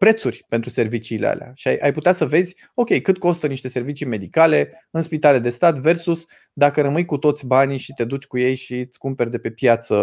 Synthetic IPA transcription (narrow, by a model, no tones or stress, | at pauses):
pɾe̞t̪surʲpent̪ɾuse̞rvit͡ʃiːlḛa̰lea̰ʃia̰jʔajput̪easəve̞zʲ | o̞kʲe̞jkɨt̪ko̞st̪əniʃt̪e̞se̞rvit͡ʃijme̞d̪ikale̞ | ɨnspit̪ale̞d̪e̞st̪at̪ve̞rsus | d̪akəɾəmɨjkut̪o̞t̪sʲbaniʃit̪e̞d̪ut͡ʃʲkujejʃit̪skumpe̞rʲd̪e̞pe̞pjat̪sə